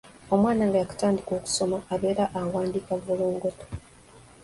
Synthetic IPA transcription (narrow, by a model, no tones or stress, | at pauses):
o̞mwaːnaŋɡajakḁtaːndiko̞ːku̥so̞maːβe̞ːɾaʔawaːndikavuluːŋɡoto̥